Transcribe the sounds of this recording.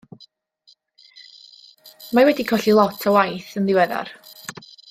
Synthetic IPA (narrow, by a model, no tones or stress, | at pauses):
mawɛdikʰɔɬilˠɔtʰɔwajθənlɪwɛða̰r